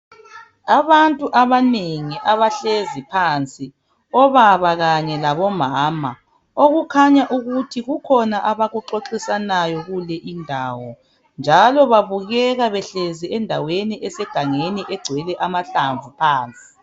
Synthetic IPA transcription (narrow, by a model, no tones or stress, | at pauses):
aβantʼuʔaβaneŋiʔaβaɬezipʰant͡sʼi | ɔβaβaɣaɲɛlaβɔmaːma̰ | oɣukʰaɲaʔuɣutʰiɣukʰɔnaʔaβaɣuǃoǁisanajɔɣulɛʔindʱaːwɔ | nd͡ʒʱalɔβaβuɣɛɣaβɛɬeziɛndʱaweniʔɛsɛɡ̥ʱaŋeniʔɛɡ͡ǀʱwɛlɛʔamaɬaɱvupʰaːnt͡sʼi̥